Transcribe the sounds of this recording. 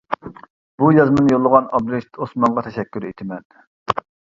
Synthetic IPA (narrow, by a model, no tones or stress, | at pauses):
b̥ujɑzmɨnjolˠːəʁɑnɑbɾeʃt̪osmɑɴʁɑt̪ʰɛʃɛkʲːyɾet̪ʰɪmɛn